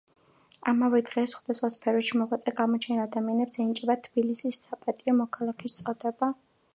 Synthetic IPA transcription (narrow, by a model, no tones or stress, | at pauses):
amavɛd̪ʁɛsχwad̪asχwaspʰɛɾɔʃimɔʁwat̪sʼɛɡamɔt͡ʃʰɛnad̪amianɛbsɛnit͡ʃʼɛbat̪ʰb̥ilisisːapʼat̪ʼiɔmɔkʰalˠakʰist̪sʼɔd̪ɛba